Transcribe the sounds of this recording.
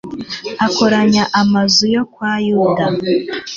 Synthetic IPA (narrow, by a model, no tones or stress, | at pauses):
ako̞ɾaɲaʔamazujo̞kwajuːda